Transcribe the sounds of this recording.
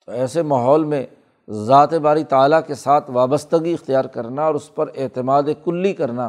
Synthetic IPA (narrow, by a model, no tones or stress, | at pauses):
t̪oɛːsemaːɦɔːlmẽ | zaːt̪ebaːɾit̪aːlakesaːt̪ʰʋaːbəst̪əɡiɪxt̪ijaːɾkɐɾnaɔːɾʊspɐɾɪːt̪ɪmaːd̪ekʊlːikɐɾnaː